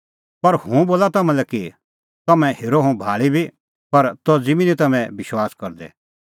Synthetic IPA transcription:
pɐɾhũboːlat̪ɐmɛ̃lɛki | t̪ɐmɛ̃heːɾoɦũbʱaːɭibʱi | pɐɾt̪ɔd͡zimĩnit̪ɐmɛ̃bɪʃwaːskɐɾd̪ɛ̰

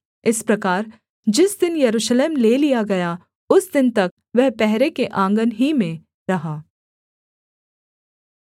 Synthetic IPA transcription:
ɪspɾɐkaːɾ | d͡ʒɪsd̪ɪnjɐɾuːʃleːmleːlijaɡɐja | ʊsd̪ɪnt̪ɐk̚ | ʋɛɦpɛɦɾekeʔãːŋɡənɦimẽ | ɾɐɦaː

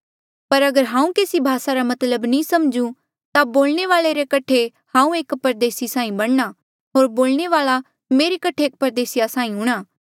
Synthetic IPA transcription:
pɐɾɐɡəɾɦãːũkeːsibʱaːsaɾamɐt̪ləbnĩːsɐmd͡ʒũ | t̪aboːlneʋaːɭeɾekɐʈʰe | hãːũeːkpɐɾd̪eːsisãːĩbɐɽna | ɦoːɾboːlɳeʋaːla | meːɾekɐʈʰeeːk̚pɐɾd̪eːsɪjasãːĩɦʊɽ̃aː

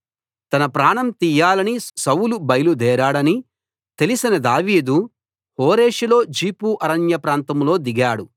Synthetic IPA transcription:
t̪ɐnɐpɾaːɳɐmt̪iːjaːlɐnisɐwulubɐjlud̪ɛːɾaːɽɐni | t̪e̞lisinɐd̪aːʋiːd̪u | hoːɾeːʃilo̞ːd͡ʒiːpuːʔɐɾɐnjɐpɾaːnt̪ɐmlo̞ːd̪iɡaːɽu

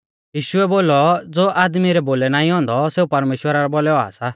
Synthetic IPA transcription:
jiːʃʊɛboːlɔd͡zoːʔaːd̪miɾɛboːlɛnaːĩɦɔ̃ːnd̪ɔseːupɐɾmeːʃwəɾaɾɔbɔlɛɔa̰sa

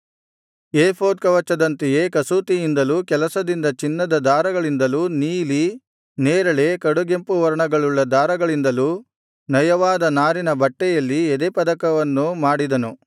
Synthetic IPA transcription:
eːpʰoːd̪̚kɐʋɐt͡ʃːɐd̪ɐnt̪ɛjeːkɐsuːt̪ijind̪ɐluːkɛlɐsɐd̪ind̪ɐt͡ʃinːɐd̪ɐd̪aːɾɐɡɐɭind̪ɐluːniːli | neːɾɐɭe̞kɐɽuɡempuʋɐɾɐɳɐɡɐɭuɭːɐd̪aːɾɐɡɐɭind̪ɐluː | nɐjɐʋaːd̪ɐnaːɾinɐbɐʈːɛjɐlːiɛd̪epɐd̪ɐkɐʋɐnːumaːɽid̪ɐnu

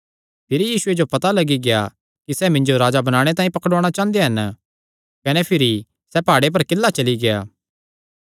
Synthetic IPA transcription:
pʰɪɾijiːsʊed͡ʒopɐt̪alɐɡiɡeja̰ | kisɛːmɪ̃ɲd͡ʒoɾaːd͡ʒabɐnaːɽ̃et̪ãːĩpɐkɽoːɽ̃at͡ʃãːnd̪ejaɦɐn | kɐnepʰɪɾi | sɛpaːɽep̬ɐɾkɪlːat͡ʃɐliɡeja̰ː

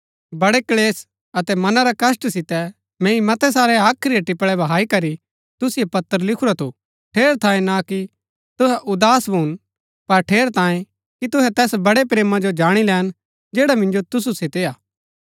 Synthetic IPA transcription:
bɐɽekleːs | ɐt̪ɛmɐnaɾakɐsʈsɪt̪ɛ | mɛ̃ːimɐt̪ɛs̬aːɾeaːkʰɾiɐʈɪpɭɛbʱɐɦaːikɐɾi | t̪ʊsɪjepɐt̪ːəɾlɪkʰuɾat̪ʰu | ʈʰeːɾt̪ʰãːẽnaki | t̪ʊɦɛʔʊd̪aːsbʱuːn | pɐɾʈʰeːɾt̪ãːjẽ | kit̪ʊɦɛt̪ɛːsbɐɽepɾeːmad͡ʒod͡ʒaːɽ̃ilɛːn | d͡ʒeːɽamɪ̃nd͡ʒot̪ʊs̬uset̪eːaː

